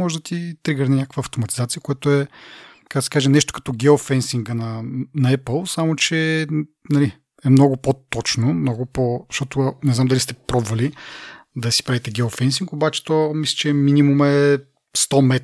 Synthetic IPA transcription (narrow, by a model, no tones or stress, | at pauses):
mɔʒɛd̪ɐt̪it̪ɾiɡəɾninʲakəkvəːft̪omɐt̪i̥zat̪siəkoɛt̪ʊɛkaɡ̪si̥kaʒɛnɛʃt̪o̥kɐ̥t̪ɔɡʲɛofɛnsiŋɡənɐnɐɛpəlˠsamot͡ʃɛ | nɐli | ɛmnɔɡʊpot̪ɔt͡ʃnomnɔɡʊpoʃt̪ɔt̪ʊnɛznamd̪ɐlist̪ɛpɾɔbvɐlid̪ɐsi̥pɾavit̪ɛɡʲɛofɛns̬iŋkobat͡ʃɛ̥t̪ɔmislʲɛ̥t͡ʃɛminimumɛ | st̪ɔmɛt̪